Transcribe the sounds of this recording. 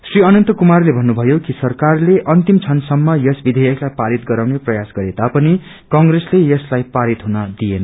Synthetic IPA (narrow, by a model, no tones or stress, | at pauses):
sriʌnʌnt̪ʌkumarlebʱʌnːubʱʌjokisʌrkarleʔʌnt̪imt͡sʰʌnsʌmːʌjʌsbid̪ʱʌjʌklajpaɾit̪ɡʌɾawneprʌjasɡʌɾed̪apʌni | kʌŋɡreslejʌslajpaɾit̪ɦunʌd̪ienʌ